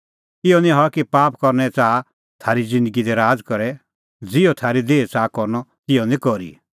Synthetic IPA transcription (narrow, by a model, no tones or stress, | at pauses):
ɪjɔnĩɦɔkipaːpkɔɾnɛt͡saː | t̪ʰaːɾid͡zɪ̃nd̪əɡid̪ɛɾaːd͡zkɔɾɛ | d͡zɪɔt̪ʰaːɾid̪eːt͡saːkɔɾnɔt̪ɪɔnĩkɔɾḭ